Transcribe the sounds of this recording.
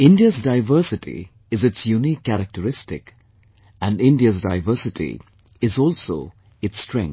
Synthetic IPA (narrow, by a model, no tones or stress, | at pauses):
ɪ̃nɖiəzdaɪvəːsɪʈḭ | ɪzɨtsjunikʰːæɾək̚ʈəɾɪstɪk | æ̃nɖɪ̃nɖiəzda̰ɪvəsɪʈʰḭ | ɪzɔːlso̰ː | ɪtstɾɛ̰̃ŋ